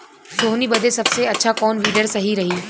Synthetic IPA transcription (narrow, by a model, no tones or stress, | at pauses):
soːɦnibɐd̪esɐbseɐtːʃʰakɔːnʋiːɖəɾsɐɦiɾɐɦi